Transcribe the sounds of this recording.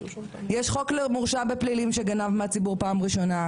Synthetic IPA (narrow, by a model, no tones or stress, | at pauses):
jeʃχo̞klemuʁʃabeplilimʃeɡanavmeat͡sibuʁpaːmʁiʃo̞na